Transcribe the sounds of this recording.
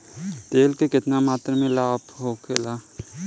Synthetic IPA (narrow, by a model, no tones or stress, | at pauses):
t̪eːlkekɪt̪namaːt̪ɾmẽlaːpɦoːkʰeːlaː